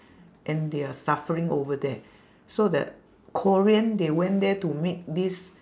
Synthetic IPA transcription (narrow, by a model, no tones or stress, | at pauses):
ʔɛ̃ndeasafəɹĩŋovədɛ | sodə̰ | kʰɔɹiə̃ndewɛ̃ndɛtumit̚dis